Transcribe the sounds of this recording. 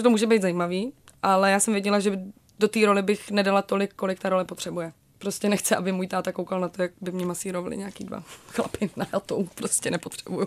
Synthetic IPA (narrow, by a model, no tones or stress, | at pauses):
ɛt̪omuːʒɛbejd̪zajiːmaviːʔalɛjaːsɛmvjɛɟɛlaʒɛ | do̞t̪iːɾo̞lɪbɪxnɛdalat̪o̞lɪkːo̞lɪkt̪aɾo̞lɛpot̪r̝̥ɛbujɛ | pɾo̞scɛnɛxt͡sɪʔabɪmuːjt̪aːt̪akowkalnat̪o̞jak̚bɪmɲɛmasiːɾovalɪ̰ɲaakiːdva̰xla̰pɪnaat̪opɾoscɛnɛpot̪r̥ɛbuju